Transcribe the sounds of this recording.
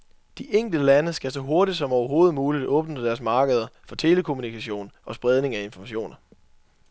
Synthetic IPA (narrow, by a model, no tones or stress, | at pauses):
d̥iʔeŋ̰ɡ̥l̩d̥əlænəsɡ̥æsɒ̽ɦo̝ɐdid̥sɒ̽mɒʊɐɦo̝ːð̩ˠmuːlid̥ɔ̽ːb̥nəd̥æɐsmɑ̈ːɡ̥əð̞̩ˠɐfɒ̽t͡sʰe̝ːləkʰo̝munikʰæɕo̝̰ːnɒ̽sb̥ʁɛð̞ˠne̝ŋæe̝nfɒmæɕo̝̰ːnɐ